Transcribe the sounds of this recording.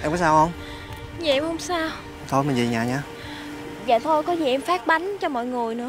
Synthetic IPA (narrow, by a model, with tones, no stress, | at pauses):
ʔɛ˧mka˨˦saː˧whə˧wŋ͡m | za̰˧˨ʔɛ˧mhə˧wŋ͡msaː˧w | t̪ʰo˧jmï˨˩nzḭ˨˩ɲaː˨˩ɲaː˧ | za̰ː˨˩t̪ʰo˧jkɔ˨˦zi˨˩ʔɛ˧mfaː˦˥k̚ɓa˨˦ŋt͡ɕɔ˧mɔ̰˧˨jŋɨ˨˩əjnɨ̰˧˥